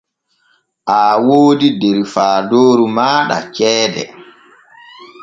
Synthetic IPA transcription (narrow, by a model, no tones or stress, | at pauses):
ʔaːwoːdideɾifaːdoːɾumaːɗa̰t͡ʃɛːdɛ̰